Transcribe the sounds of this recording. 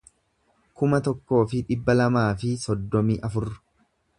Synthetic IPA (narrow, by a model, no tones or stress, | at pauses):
kʊmɐt̪ɔkːo̞ːfɪᶑɪbːɐlɐmaːfɪsɔd̪ːɔmiːʔɐfʊrːʊ̥